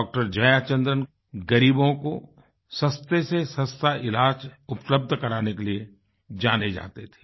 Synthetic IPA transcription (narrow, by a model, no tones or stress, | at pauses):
ɔːk̚ʈəɾd͡ʒɐjaːt͡ʃə̃nd̪ɾən | ɡɐɾiːbõko | səst̪esesə̃st̪aʔɪlaːt͡ʃʊpləb̚d̪ʱkɐɾaːnekelie | d͡ʒaːned͡ʒa̰ːt̪et̪ʰe̥ː